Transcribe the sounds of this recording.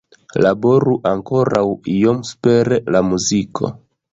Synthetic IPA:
labo̞ɾuʔaŋko̞ɾawijomspeɾelamuzikʰo̞̰

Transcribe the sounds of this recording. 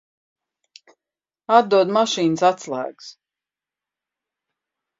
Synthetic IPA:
ad̪uɔd̪maʃiːnsat̪slˠa̰ːɡs

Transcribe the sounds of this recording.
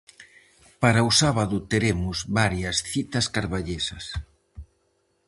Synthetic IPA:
paɾaʊsaβaðʊt̪eɾemʊzβaɾjɐsθit̪ɐskaɾβaʎesɐs

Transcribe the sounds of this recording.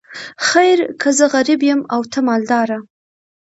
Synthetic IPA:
xajɾkʰəzəɣaɾɪbjəmawt̪ʰamɑld̪ɑɾa

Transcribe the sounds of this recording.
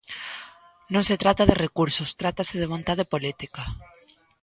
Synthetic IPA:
nõŋset̪ɾat̪aðerekuɾsost̪ɾat̪aseð̞eβ̞õnt̪aðepolit̪ika

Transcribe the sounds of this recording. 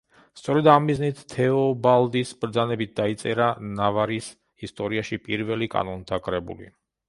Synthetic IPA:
st̪sʼɔɾɛd̪amːiznit̪ʰːɛɔbalˠd̪isbɾd̪zanɛbit̪̚ʰd̪ait̪sʼɛɾanavaɾis | ist̪ʼɔɾiaʃipʼiɾvɛlikʼa̰nɔnt̪ʰakʼɾɛbṵlḭ

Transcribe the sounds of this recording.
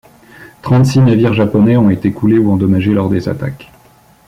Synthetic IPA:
t̪χɑ̃t̪sinaviʁʒapɔnɛɔ̃et̪ekʰuleuɑ̃d̪ɔmaʒelɔʁd̪eza̰t̪a̰k

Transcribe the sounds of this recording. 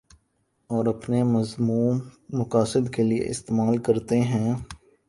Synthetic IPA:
ɔːɾɐpnemɐzmuːmːʊkaːsɪd̪keliḛʔɪ̰st̪eːmaːlkɐɾt̪eɦɛ̃ː

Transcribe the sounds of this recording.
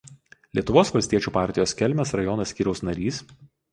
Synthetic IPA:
lʲiɛt̪ʊʋoːsʋɐlʲsʲt̪ʲiɛt͡ʃʲuːpɑˑɾʲt̪ʲɪjoːsʲkʲɛlʲmʲɛsɾɐjɔnɐsʲkʲiːɾʲɛʊsnɐɾʲiːs

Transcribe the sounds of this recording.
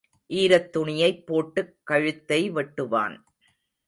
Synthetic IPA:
ʔiːɾɐt̪ːʊɳɪjɐɪpːoːʈːɯkːɐɻɯt̪ːɐɪʋɛʈːɯʋa̰ːn

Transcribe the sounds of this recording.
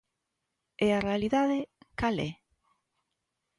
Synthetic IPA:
ɛarealiðaðɪkalɛ̰

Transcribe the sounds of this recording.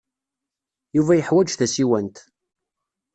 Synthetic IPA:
juvæjəħwæd͡ʒθæsiwænt̪

